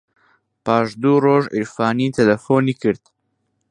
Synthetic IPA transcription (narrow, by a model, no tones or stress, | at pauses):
paːʃd̪uːɾoːʒʔiɾfaːniːt̪ʰɛlɛfoːniːkɨɾt̪